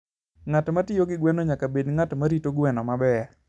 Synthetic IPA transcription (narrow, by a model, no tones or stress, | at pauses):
ŋatmatɪjoɡɪɡwɛnoɲakabedŋatmaɾitoɡwɛnɔmabɛ